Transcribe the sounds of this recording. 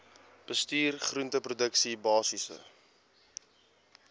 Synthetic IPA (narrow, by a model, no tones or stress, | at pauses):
b̥əstiːrχruəntəprudəksibɑːsisə̰